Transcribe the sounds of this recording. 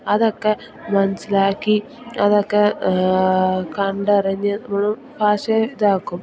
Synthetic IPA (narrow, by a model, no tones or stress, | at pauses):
ɐðokːe̞ | mɐnɐsilaːkːi | ɐðokːe | kɐɳɖɐrɐɲːɐnɐmɐɭu | bʱaːɕɐiðaːkːum